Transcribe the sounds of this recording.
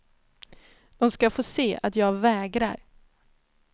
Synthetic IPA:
d̪̥ɔmskafoːseːa̰t̪jɑːɡvɛːɡɾa̰ɾ

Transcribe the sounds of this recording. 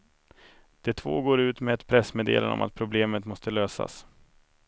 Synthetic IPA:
d̪̥ɛt̪ʰvo̰ːɡoːɾʉ̟ːt̪mɛd̪pʰɾɛsmeːd̪ḛːlə̰nɔ̰mʔa̰t̪̚pʰɾʊbleːmət̪mɔst̪əløːsa̰s

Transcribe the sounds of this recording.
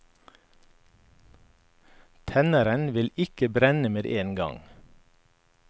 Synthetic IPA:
t̪ʰɛnəɾənʋɪlɪkəbɾɛnəmeːd̪ʔeːnɡɑ̰ŋ

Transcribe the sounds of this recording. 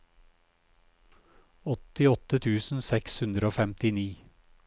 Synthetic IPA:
ɔt̪ɪɔt̪ət̪ʰʉːsn̩sɛkshʉnd̪ɾəoːfɛmt̪ɪniː

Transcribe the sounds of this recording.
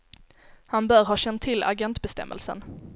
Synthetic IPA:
hanbœːɾɦɑːɕɛnt̪ʰːɪla̰ɡɛnt̪bɛst̪ɛ̰mːʔə̰lsə̰n

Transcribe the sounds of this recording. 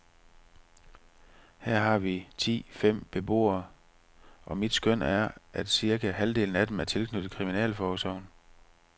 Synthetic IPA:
hæɐ̰ɦɑ̈ʋit͡sʰḭːfem̰b̥e̝b̥o̝̰ːɐ | ʔɒ̽mid̥sɡ̥øn̰æɐʔæd̥siɐɡæhæld̥e̝̰ːln̩æd̥em̩æɐt͡sʰe̝lkʰnød̥ð̩ˠkʰʁiminɛ̰ːlfɒːsɒʊ̰n

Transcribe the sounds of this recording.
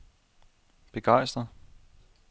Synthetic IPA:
b̥e̝ɡ̥ɑ̈ɪ̰sd̥ʁɐ

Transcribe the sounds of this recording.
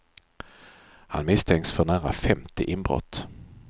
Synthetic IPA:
ha̰nmɪst̪ʰɛŋksfœɳæːɾa̰fɛmt̪ɪʔɪnbɾɔ̰t̪ː

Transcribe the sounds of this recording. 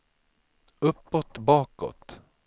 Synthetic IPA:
ɵpːɔt̪bɑːkɔ̰t̪

